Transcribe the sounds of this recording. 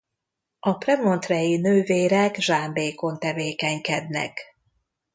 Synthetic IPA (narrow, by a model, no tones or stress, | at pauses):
ɒprɛmont̪rɛjinøːveːɾɛɡʒaːmbeːko̞nt̪ɛveːkɛɲkɛd̪nɛ̰k